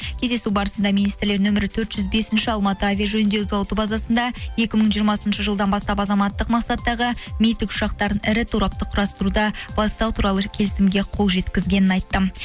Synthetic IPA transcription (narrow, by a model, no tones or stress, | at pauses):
kʲʰe̞zd̪e̞subɑɾəsənd̪ɑmijnijst̪ɪɾle̞ɾnɵmɪɾɪt̪ʰɵɾt̪ʒ̥ʏzbe̞sɪnʃɪɑlˠmɑt̪əavʲijaʒɵnnd̪e̞zɑwˠt̪ubɑzɑsənd̪ɑje̞kʲɪməɴʒijəɾmɑsənʃəʒəlˠd̪ɑnbɑst̪ɑpɑzɑmɑt̪ːəqmɑqsɑt̪ːɑʁəmijt̪ːɪkʊ̥ʃɑqt̪ɑɾənɪɾɪt̪ʰuɾɑp̚t̪əqʰʊɾɑst̪əɾud̪ɑb̥ɑst̪ɑwt̪ʰuɾɑlˠəkʲʰe̞lɪsɪmɡʲe̞qʰo̞lˠʒe̞t̪kʲɪzɡʲe̞nɪnɑjt̪ːə